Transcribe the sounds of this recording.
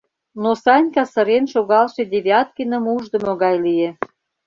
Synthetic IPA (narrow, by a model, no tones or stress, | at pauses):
nosɑnʲkɑsə̆ɾenʃoɣɑlʃĕdʲeβʲɑt̪̚kinə̆muʒd̪ə̆moɣɑjlie